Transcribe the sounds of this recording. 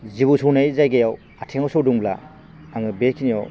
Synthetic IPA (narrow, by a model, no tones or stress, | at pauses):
zibusownajzajɡajaw | atʰeŋawsowduŋbla̰ː | ŋɯbekʰinijɔw